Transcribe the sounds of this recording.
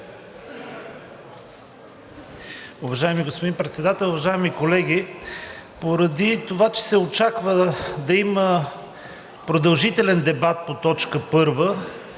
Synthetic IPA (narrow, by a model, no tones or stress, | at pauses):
uvɐʒajɛmiɡospod̪inpɾɛt̪sɛd̪at̪ɛlˠʊvɐʒaɛmikolɛɡʲi | poɾɐd̪it̪ovat͡ʃɛ̥sɛot͡ʃakvəd̪ɐimə | pɾod̪ɐlˠʒit̪ɛlɛnd̪ɛbat̪̚pot̪ɔt͡ʃkəpɤɾvə